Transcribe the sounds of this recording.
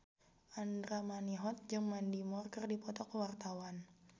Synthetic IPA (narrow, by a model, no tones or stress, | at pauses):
ʔandɾamaniɦɔt̪̚d͡ʒɨŋmandimɔrkɨrdipɔt̪ɔkəwart̪awan